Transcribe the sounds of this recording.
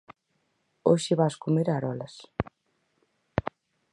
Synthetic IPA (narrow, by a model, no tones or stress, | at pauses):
oʃɪβaskomeɾaɾɔlɐs